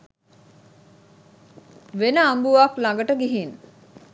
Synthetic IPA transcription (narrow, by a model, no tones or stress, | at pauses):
ʋenəambuʋaklãŋɡəʈəɡiɦin